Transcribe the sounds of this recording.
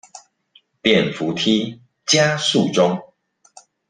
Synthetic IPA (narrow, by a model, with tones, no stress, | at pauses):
t̪jɛ˥˨nfu˨˦t̪ʰi˦ | t͡ɕja˦su˥˨ʈ͡ʂʊ˦ŋ